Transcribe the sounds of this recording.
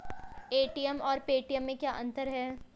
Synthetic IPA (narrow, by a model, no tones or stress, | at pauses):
eːʈijəmɔːɾpeːʈijəmːẽkjaːʔɐ̃nt̪əɾɦɛː